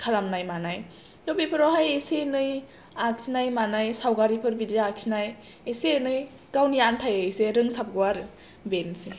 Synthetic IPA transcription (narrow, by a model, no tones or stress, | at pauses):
kʰalamnajmanaj | nobipʰɯɾɔɦajesenɯj | ak̚sʰinajmanajsawɡaɾipʰɯɾbidiak̚sʰinaj | esenɯj | ɡ̥awniantʰajɯjseɾɯŋsap̚ɡɯwaɾɯ | bense